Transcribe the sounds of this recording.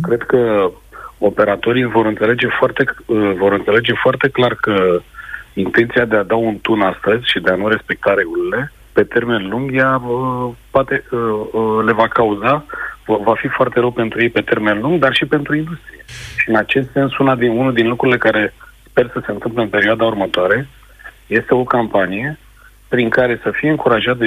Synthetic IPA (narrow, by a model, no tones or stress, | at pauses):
kɾe̞d̪kə | o̞pe̞ɾat̪o̞ɾivo̞ɾɨnt̪se̞le̞d͡ʒe̞foart̪e̞əvo̞ɾɨnt̪se̞le̞d͡ʒe̞foart̪e̞klarkə | int̪e̞nt̪siad̪ead̪aunt̪unast̪əzʲʃid̪e̞anuɾe̞spe̞k̚t̪aɾe̞ɡulile̞ | pe̞t̪e̞rme̞nluŋɡjaəpoat̪e̞əle̞vakauzavafifoart̪e̞ɾəwpe̞nt̪ɾuje̞jpe̞t̪e̞rme̞nluŋɡd̪arʃipe̞nt̪ɾuind̪ust̪ɾije̞ʃiɨnat͡ʃe̞st̪se̞nsunad̪iunuld̪inlukɾuɾile̞kaɾe̞spe̞rsəse̞ɨnt̪ɨmpleɨnpe̞ɾioad̪aurmət̪oaɾe̞ | je̞st̪e̞o̞kampanije̞ | pɾiŋkaɾe̞səfijeɨŋkuɾaʒat̪